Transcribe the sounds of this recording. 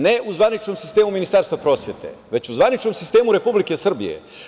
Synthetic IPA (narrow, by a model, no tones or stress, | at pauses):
neuzʋanit͡ʃno̞msist̪e̞ːmuminist̪aːɾst̪vapɾo̞ːsjet̪e̞̰ʋe̞t͡ɕuzʋanit͡ʃno̞msist̪e̞ːmuɾe̞publikesr̩bḭjḛ